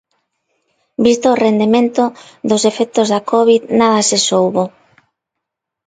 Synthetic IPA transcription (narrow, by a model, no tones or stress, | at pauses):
bist̪oːrend̪emẽnt̪oðosefɛk̚t̪ozðakɔβ̞iðnaðasesowβo